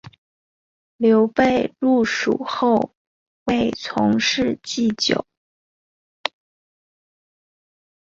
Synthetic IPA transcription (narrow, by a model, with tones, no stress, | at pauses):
ljo˧˥ʊpe˥˧ɪlu˥˩ʂṵ˨˩xo˥˧ʊ | we˥˩ɪt͡sʰʊ̰˧˥ŋʂɻ̩˥˧t͡ɕi˥˩t͡ɕjo̰˨˩˦ʊ